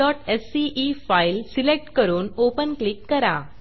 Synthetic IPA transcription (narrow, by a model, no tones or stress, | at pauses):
ɔʈesːiʔifailsilek̚ʈkəɾuːnopənklikːəɾa